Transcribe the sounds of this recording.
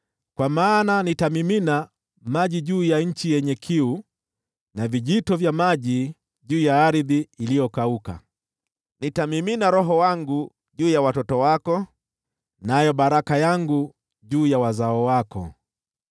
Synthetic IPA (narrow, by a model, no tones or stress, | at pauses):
kwamaːnanitamimina | maʄiʄuːjaɲ̩t͡ʃijɛɲɛkʰiu | naviʄitɔvjamaʄi | ʄuːjaaɾiðiilijɔkauka̰ | nitamiminaɾɔɦɔwaŋɡu | ʄuːjawatɔtɔwakɔ | najɔɓaɾakajaŋɡu | ʄuːjawazaɔwakɔ̰